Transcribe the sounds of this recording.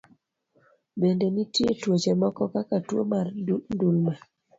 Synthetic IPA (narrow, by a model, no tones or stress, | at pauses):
bendenitjetwot͡ʃemɔkɔkakatwo̰mandulma